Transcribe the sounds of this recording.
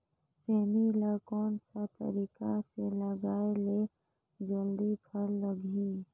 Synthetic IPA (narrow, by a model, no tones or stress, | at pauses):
seːmilakɔːnsat̪ə̰ɾikaseləɡaːele | d͡ʒəld̪ipʰəɾləɡʱi